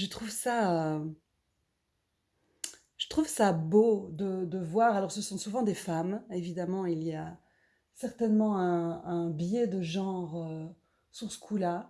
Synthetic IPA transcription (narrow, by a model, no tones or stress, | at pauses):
ʒət̪χuvsaø | ʒ̥ət̪χuvsabod̪əd̪əvwaʁalɔʁsəsɔ̃suvɑ̃d̪efamevid̪amɑ̃ilia | sɛʁt̪ɛnmɑ̃ɛ̃ɛ̃bjɛd̪əʒɑ̃ʁø | syʁsə̥kʰula